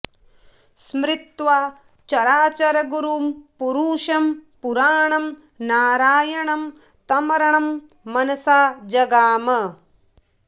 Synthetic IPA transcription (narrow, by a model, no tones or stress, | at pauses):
smɾɪt̪ʋaː | t͡ʃɐɾaːt͡ʃɐɾɐɡuɾuːmpuɾuːʃɐmpuɾaːɳɐm | naːɾaːjɐɳɐm | t̪ɐmɐɾɐɳɐmː | ɐnɐsaːd͡ʒɐɡaːmɐ